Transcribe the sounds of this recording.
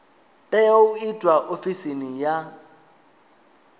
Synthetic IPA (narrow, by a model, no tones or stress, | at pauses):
tʼajaʊitʼwaʔofisinɪja